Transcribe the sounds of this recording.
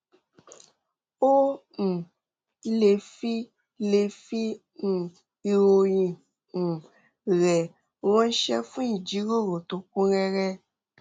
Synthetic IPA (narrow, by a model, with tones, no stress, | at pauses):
o˦ | ŋ̩˨ | le˨fi˦ | le˨fi˦ | ŋũ˨ | i˨˧wo˨jĩ˨ | ŋu˨ | ɣɛ˨ | wɔ̃˦ʃɛ˦fũ˦ɲĩ˨d͡ʒi˨˦ɾo˦ɾo˨t̪o˨kũ˦ɾɛ˦ɾɛ˦